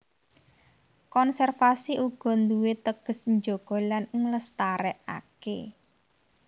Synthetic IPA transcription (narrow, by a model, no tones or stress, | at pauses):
kɔnsɛrfasiʔuɡ̥ɔ̤nd̪uwet̪əɡ̥ə̤sɲd͡ʒoɡ̥ɔ̤lanŋləst̪aɾɛʔa̰ke